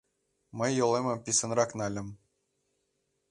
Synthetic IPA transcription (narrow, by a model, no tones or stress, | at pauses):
mɘ̆jːŏlˠemʲɘ̆pʲisɤ̆nrɑknɑlʲɘ̆m